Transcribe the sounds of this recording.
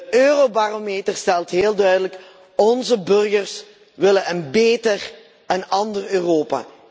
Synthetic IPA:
əøːrobaːromeːtərstɛlˠtɦeːlˠdœɥdələk | ɔnzəbɵrɣərs | ʋɪlənənbeːtər | ənɑndərøːroːpa̰ː

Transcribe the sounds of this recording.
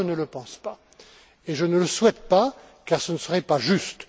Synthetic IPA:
ənələpɑ̃spa | eʒənələswɛt̪̚pa | kaʁsənəsəʁɛpaʒyst̪

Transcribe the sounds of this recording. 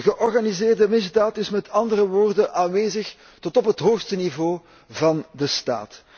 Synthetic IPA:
ɣəʔɔrɣanizɪːrdəmɪzdaːtɪsmɛtʰɑndərəʋoːrdənʔaːnʋeːzəx | tɔtɔpɦətɦoːxstənivoː | vɑndəsta̰ːt

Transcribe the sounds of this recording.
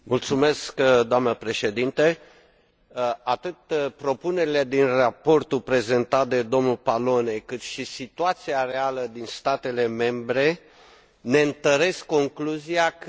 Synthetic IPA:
mult̪sume̞skd̪oamnəpɾe̞ʃe̞d̪int̪e | at̪ɨt̪pɾo̞pune̞ɾile̞d̪inrapo̞rt̪upɾe̞ze̞nt̪at̪̚d̪e̞d̪o̞mnulpalo̞ne̞kɨt̪ʃisit̪uat̪siare̞aləd̪inst̪at̪e̞le̞me̞mbɾe̞ | ne̞ɨnt̪əɾe̞skːo̞ŋkluziak

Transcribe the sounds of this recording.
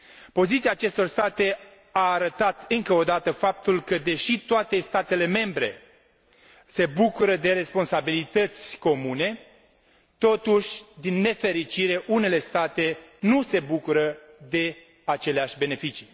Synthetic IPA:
po̞zit̪siaːt͡ʃe̞st̪o̞rst̪at̪e̞ | aːɾət̪at̪ɨŋkəo̞d̪at̪əfap̚t̪ulkəd̪e̞ʃit̪oat̪e̞st̪at̪e̞le̞me̞mbɾe̞ | se̞bukuɾəd̪e̞ɾe̞spo̞nsabilit̪ət̪sʲko̞mune̞ | t̪o̞t̪uʃʲd̪inːe̞fe̞ɾit͡ʃiɾe̞ʔune̞le̞st̪at̪e̞nuse̞bukuɾəd̪e̞ | at͡ʃe̞leaʃʲbe̞ne̞fit͡ʃi

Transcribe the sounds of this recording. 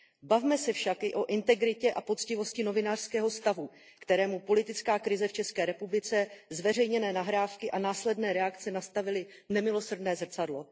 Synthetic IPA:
bavmɛsɛfʃakʔɪʔo̞ʔɪnt̪ɛɡɾɪcɛʔapo̞t͡scɪvo̞scɪno̞vɪnaːr̥skɛːɦo̞st̪avu | kt̪ɛɾɛːmupo̞lɪt̪ɪt͡skaːkɾɪzɛft͡ʃɛskɛːɾɛpublɪt͡sɛzvɛrɛjɲɛnɛːnaɦɾaːfkɪʔanaːslɛdnɛːɾɛakt͡sɛnast̪avɪlɪ | nɛmɪlo̞srdnɛːzr̩t͡sadlo̞

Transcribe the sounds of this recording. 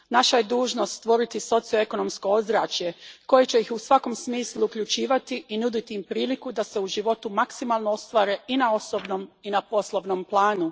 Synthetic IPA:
naʃaje̞d̪uːʒno̞st̪t̪ʋo̞ɾit̪iso̞t̪sijo̞e̞ko̞no̞msko̞ozɾaːt͡ɕje̞ko̞jet͡ɕe̞jixusʋako̞msmiːslˠuːkʎut͡ɕiːʋat̪iʔinud̪it̪iimpɾiːlikud̪ase̞uʒiʋo̞t̪umaksimaːlˠnoost̪ʋaːɾe̞inao̞sobnominapo̞slˠoʋnomplˠaːnu

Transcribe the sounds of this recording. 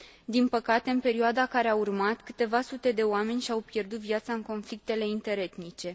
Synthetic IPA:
d̪inpəkat̪e̞ɨnpe̞ɾioad̪akaɾe̞aurmat̪kɨ̥t̪e̞vasut̪e̞d̪e̞oame̞nʲʃiawpje̞rd̪ut̪viat̪saɨŋko̞nflik̚t̪e̞le̞int̪e̞ɾe̞t̪nit͡ʃe̞

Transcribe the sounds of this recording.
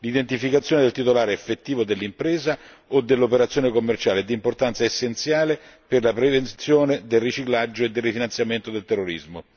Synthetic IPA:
lid̪ent̪ifikat̪sjoːned̪elt̪it̪olaːɾeefːet̪ːiːvod̪elːimpɾeːza | od̪ːelːopeɾat̪sjonekomːert͡ʃaːleɛd̪import̪ant̪saesːent̪sjaːleperlapɾevent̪sjoːned̪elrit͡ʃiklad͡ʒːoed̪ːelrːifinansjament̪od̪elt̪ɛrːoɾḭzmo

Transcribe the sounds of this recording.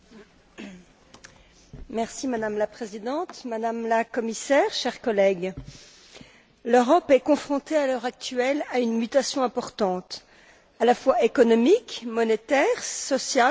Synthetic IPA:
mɛʁsimad̪amlapχezid̪ɑ̃t̪mad̪amlakɔmisɛʁʃɛʁkɔlɛɡ | løʁɔpɛkɔ̃fχɔ̃t̪ealœʁak̚t̪yɛlaynmyt̪asjɔ̃ɛ̃pɔʁt̪ɑ̃t̪ | alafwaekɔnɔmikmɔnet̪ɛʁsɔsja

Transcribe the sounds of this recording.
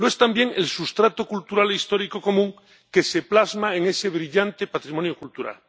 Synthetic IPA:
loe̞st̪ambje̞ŋe̞lsust̪ɾat̪okult̪uɾaleist̪o̞ɾiko̞ko̞mũŋ | ke̞se̞plazmaeŋe̞se̞β̞ɾiʎant̪e̞pat̪ɾimo̞njo̞kult̪uɾa̰l

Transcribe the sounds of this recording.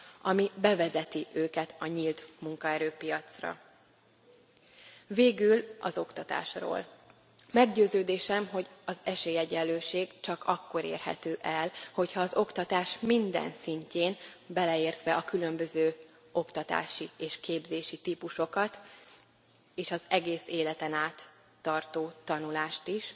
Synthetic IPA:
ɒmibɛvɛzɛt̪iʔøːkɛt̪ɒɲiːlt̪muŋkɒɛɾøːpijɒt̪srɒ̰ | veːɡylɒ̰zo̞kt̪ɒt̪a̰ːʃro̰ːl | mɛɡɟøːzøːd̪eːʃɛmɦo̞ɟɒzɛʃeːjɛɟɛlːøːʃeːɡt͡ʃɒkɒkːo̞ɾḛːrɦɛ̰t̪øːʔɛlho̞chɒːzo̞kt̪ɒt̪aːʃmind̪ɛ̰nsiɲceːnbɛlɛeːrt̪ʋɛʔɒkylø̞mbøzøː | o̞kt̪ɒt̪a̰ːʃieːʃkeːbzeːʃit̪iːpuʃo̞kɒt̪ | eːʃɒzɛɡeːseːlɛt̪ɛnaːt̪ː | ɒrt̪oːt̪ɒnulaːʃt̪iʃ

